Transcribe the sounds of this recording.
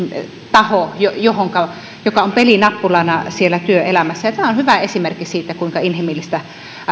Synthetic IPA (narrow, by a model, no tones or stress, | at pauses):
t̪ɑhojojohoŋkɑ | jokɑompelinɑpːulɑˑenɑsielːæt̪yøelæmæsːæjɑt̪æmæˑonhyʋæesimerkːisiːt̪ːˑækuiŋkɑinhimilːist̪æ